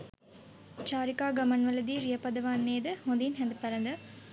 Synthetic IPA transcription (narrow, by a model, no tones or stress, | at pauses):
t͡ʃaːɾɪkaːɡɐmɐnʋɐlɐd̪iːɾijɐpɐd̪ɐʋaːnːeːd̪ɨhond̪inɦɐnd̪pɐɾɐnd̪ɐ